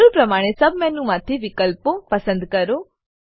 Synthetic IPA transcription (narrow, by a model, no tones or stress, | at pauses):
ɾupɾɐmaːɽ̃esɐbʱmɛ̃nũmãt̪ʰiʋɪkəlpopɐsə̃nd̪kɐɾo